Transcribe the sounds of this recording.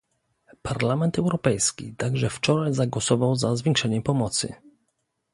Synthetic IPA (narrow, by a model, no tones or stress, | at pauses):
paɾlamɛnt̪ɛwɾɔpɛjskʲḭt̪aɡʐɛft͡ʂɔɾajzaɡwɔsɔvawzazvʲɛŋkʂɛɲɛpɔmɔt̪sɘ̰